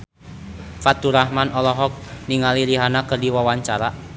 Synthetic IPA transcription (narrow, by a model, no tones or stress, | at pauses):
fat̪uɾahmanʔɔlɔɦɔk̚niŋaliliɦanakərdiwɔwaɲt͡ʃaɾa